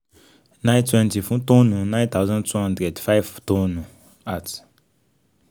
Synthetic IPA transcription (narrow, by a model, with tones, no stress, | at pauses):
nã˦ntwɛ̃˦nti˨fũ˦tõ˦nũ˨nã˦j̃nt̪a˦ʊzã˦ntʰwɛ̃˦hã˦ndɾɛ˨dfa˦ɪvtõ˦nũ˨ | a˨t